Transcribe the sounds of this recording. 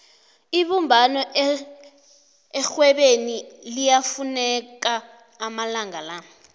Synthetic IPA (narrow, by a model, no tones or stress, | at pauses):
iɓumbʱanɔʔ | ɛxwɛɓenilijafunɛk̬aː | malaŋala